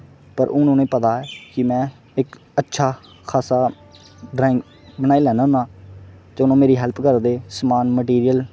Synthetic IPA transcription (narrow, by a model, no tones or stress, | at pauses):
pəɾʔʊnõːnẽːpət̪aːɛːkɪmɛ̃ː | ɪk | ətːʃʰaː | kʰaːsaː | ɖɾaːɪŋɡ | bənaːiːlɛːnãːnaːt̪eʊnõːmeːɾiːɦɛlpkəɾd̪eːsəmaːnməʈiːɾijəl